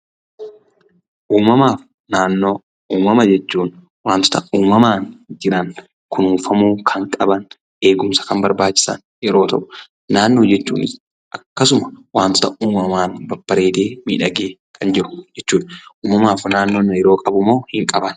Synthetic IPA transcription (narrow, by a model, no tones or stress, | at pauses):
ʔuːmɐmaːf | naːnːo̞ː | uːmɐmɐd͡ʒɛt͡ʃːuːn | waːnt̪ɔ̥t̪ɐuːmɐmaːnd͡ʒɪɾɐn | kʰʊnuːfɐmuːkʰɐŋkʼɐbɐn | e̞ːɡʊmsɐ̥kɐmbɐɾbaːt͡ʃːɪ̥sɐ̰n | jɛɾo̞ːt̪ɐ̰ʔʊ̥ | naːnːo̞ːd͡ʒɛt͡ʃːṵːnɪs | ʔɐkːɐsʊmɐwaːnt̪ɔ̥t̪ɐʔuːmɐmaːnbɐbːɐɾe̞ːd̪e̞ːmḭːᶑɐɡeːkʰɐnd͡ʒɪɾʊ̥d͡ʒɛt͡ʃːuːᶑʔuːmɐmaːfnaːnːo̞ːnɐjɛɾo̞ːkʼɐbʊmo̞ːhɪŋkʼɐbɐn